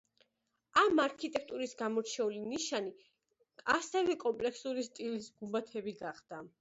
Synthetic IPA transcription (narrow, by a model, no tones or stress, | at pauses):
amaɾkʰit̪ʼɛk̚t̪ʼuɾisɡamɔɾt͡ʃʰɛuliniʃani | asɛvɛkʼɔmpʼlɛksuɾist̪ʼilisɡumbat̪ʰɛbiɡaχd̪̥a